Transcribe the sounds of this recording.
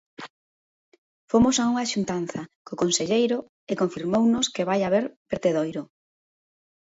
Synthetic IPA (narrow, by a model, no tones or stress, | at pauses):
fomosauŋaʃunt̪an̟θɐkokonseʎejɾʊ | ekoɱfiɾmownʊskeβajaβeɾbeɾt̪eðojɾʊ